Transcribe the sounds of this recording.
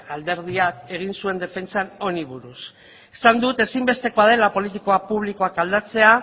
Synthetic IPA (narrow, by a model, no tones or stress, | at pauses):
ald̪e̞ɾð̞iake̞ɣ̞insue̞nd̪e̞fe̞nt͡sano̞niβuɾus | e̥sand̪ut̪e̞simbe̞st̪e̞ko̞að̞e̞lapo̞lit̪̬iko̞apuβ̞liko̞akald̪at͡se̞a